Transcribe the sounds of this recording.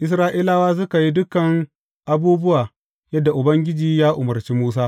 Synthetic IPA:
ʔɪ˦s̬ɾaː˦ʔiː˦laː˦waː˦s̬ʊ˦ka˨ji˦dʊ˦kɐ˨ŋ | ʔa˦buː˦bʊ˦waː˨ | jɐ˦dːa˨ʔʊ˨bɐ˦ŋɡʲɪ˦d͡ʒiː˨jaː˦ʔʊ˨mɐ˨rt͡ʃiː˦muː˦s̬aː˦

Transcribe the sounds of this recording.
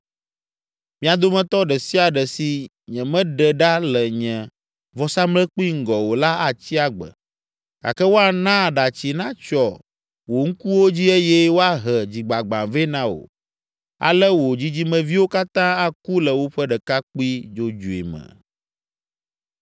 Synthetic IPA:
mĩ˦a˨d̪o˦mɛ̃˦t̪ɔ˦ɖɛ˨si˦a˨ɖɛ˨si˦ | ɲɛ̃˨mɛ̃˦ɖɛ˨ɖa˦lɛ˨ɲɛ̃˨ | vɔ˦sa˦mlɛ˦k͡pu˦i˦ŋ̩˦˨ɡɔ˨wo˨la˦a˨t͡ɕi˦a˦ɡ͡bə̰˨ | ɡa̰˨kɛ˦wo˦a˨nã˦˨ɖa˨t͡ɕi˦nã˦t͡ʃɔ˨ | wo˨ŋ̩˦ku˦wo˦d͡ʑi˦e˦jɛ˦wo˦a˦ɦɛ˨d͡ʑi˨ɡ͡ba˨ɡ͡bã˨vɛ˦nã˦wo̰˨ | a̰˨lɛ˦wo˨d͡ʑi˦d͡ʑi˦mɛ̃˨vi˦wo˦ka˦t̪ã˦a˦ku˦lɛ˨wo˦ɸɛ˦ɖɛ˨ka˦k͡pu˦i˦d͡ʒo˦d͡ʒu˨ḭ˨mɛ̰̃˨

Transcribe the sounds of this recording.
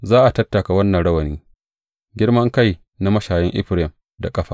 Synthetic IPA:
zaː˦ʔa˨tɐ˦tːa˨ka˨wɐ˦nːɐ˨nɽɐ˦wɐ˨niː˦ | ɡʲɪ˦ɽmɐ˦ŋka˦˨j | na˦mɐ˦ʃaː˨jɪ˦ŋʔɪ̰˦ɸɾɛ˨m | da̰˨kʼɐ˦ɸaː˨

